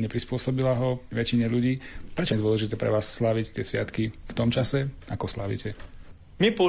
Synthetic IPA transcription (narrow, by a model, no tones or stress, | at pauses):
ɲɛpɾispʊɔsɔbilaɦɔʋɛt͡ʃiɲɛʎuɟiːpɾɛt͡ʃɔɛd̪ʊɔlɛʒit̪ɛːpɾɛ̰ʋaːsːlaʋict̪ɪɛsʋɪat̪kift̪ɔmt͡ʃasɛakɔsla̰ʋḭːcʰɛ | mipɔ